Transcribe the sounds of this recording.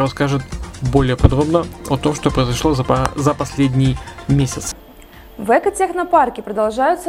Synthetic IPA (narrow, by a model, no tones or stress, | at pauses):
ɾɐskaʐɨt̪̚bo̞lʲɪjəpɐd̪ɾo̞bnəɐt̪o̞mʂt̪opɾəɪzɐʂlˠozɐpɐsʲlʲedʲnʲɪjmʲesʲɪt̪sɨ̥ | vɛkətʲexnɐparkʲɪpɾəd̪ɐlˠʐajʊt̪sə